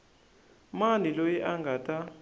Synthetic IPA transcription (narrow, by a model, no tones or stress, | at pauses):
manilojiʔaŋɡatʼa